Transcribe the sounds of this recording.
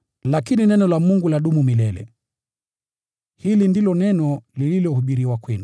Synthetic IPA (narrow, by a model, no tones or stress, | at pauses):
lakininɛnɔlamuŋɡulaɗumumilɛlɛ̰ | hilindilɔnɛnɔlililɔhuɓiɾiwakwɛnu